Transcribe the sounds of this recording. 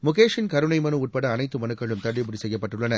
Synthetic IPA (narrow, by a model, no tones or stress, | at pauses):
mʊkeːʂɪnkɐɾɯnɐɪmɐnɯʊʈ̚pɐɽɐːnɐɪt̪ːɯmɐnɯkːɐɪɭɯmt̪ɐɭːɪbʊɽɪsɛjːɐpːɐʈːɯɭːɐnɐ